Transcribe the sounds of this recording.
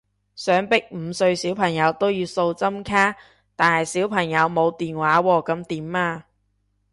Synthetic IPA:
sœː˨˥ŋpɪ˥k̚m̩˨˧sɵ˧ɥsiː˨˥wpʰɐ˨˩ŋjɐ˨˧wt̪o˥wjiː˧wso˧wt͡sɐ˥mkʰaː˥ | t̪aː˨˩nhɐ˨jsiː˨˥wpʰɐ˨˩ŋjɐ˨˧wmo˨˧wt̪iː˨nwaː˨˥wɔː˧kɐ˨˧mt̪iː˨˥maː˧

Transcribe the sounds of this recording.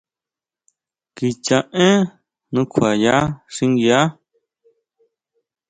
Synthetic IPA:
ki˧t͡ʃã˧ʔẽ˦ | nũ˧kʰa˨ja˦ʂĩ˧ŋɡi˧a˦

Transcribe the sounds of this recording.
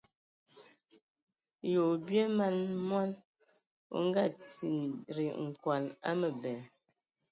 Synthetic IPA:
jo˨bje˦ma˦˨nmwa˦l | o̰˨ŋ˦ɡa˦˨t͡si˨nɾi˨ŋ̩˨kwa˨la̰˦mə˨bɛ˨

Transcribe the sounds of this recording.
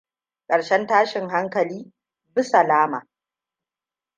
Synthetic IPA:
kʼɐ˨ɽʃɛ˦ntaː˦ʃɪ˨ŋɦa˦ŋkɐ˨liː˦ | bɪ˦sa˨laː˦maː˨

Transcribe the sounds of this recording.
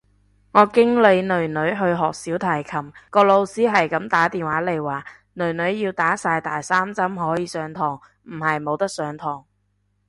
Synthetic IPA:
ŋɔː˨˧kɪ˥ŋle˨˧jnɵ˨˩ɥnɵ˨˧ɥɦɵ˧ɥɦɔː˨k̚siː˨˥wt̪ʰɐː˨˩jkʰɐ˨˩mkɔː˧lo˧wsiː˥ɦɐ˨jkɐ˨˥mt̪aː˨˥t̪iː˨nwaː˨˥le˨˩jwaː˨ | nɵ˨˩ɥnɵ˨˧ɥjiː˧wt̪aː˨˥saː˧jt̪aː˨jsaː˥mt͡sɐ˥mhɔː˨˥jiː˨˧sœː˨˧ŋt̪ʰɔː˨˩ŋ | m̩˨˩hɐ˨jmo˨˧wt̪ɐ˥k̚sœː˨˧ŋt̪ʰɔː˨˩ŋ

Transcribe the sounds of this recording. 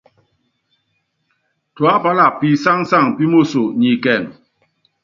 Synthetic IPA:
tu˨a˦pa˦la˨pi˨sa˦ŋsa˦˨ŋpi˦mo˦˨so˨ɲi˨kɛ˨ŋ

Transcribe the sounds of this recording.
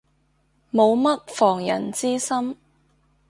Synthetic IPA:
mo˨˧wmɐ˥t̚fɔː˨˩ŋjɐ˨˩nt͡siː˥sɐ˥m

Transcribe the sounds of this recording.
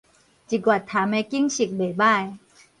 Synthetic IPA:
t͡ɕi˨˧˩kwa˨˩t̪ʰːaː˨˦mɛ˧ki˥˨ŋsi˨˩k̚be˨˩baː˦˧˥j

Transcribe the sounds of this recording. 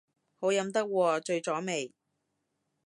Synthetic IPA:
ho˨˥wjɐ˨˧˥mt̪ɐ˥k̚wɔː˧t͡ʃɵ˧ɥt͡sɔː˨˥me˨j

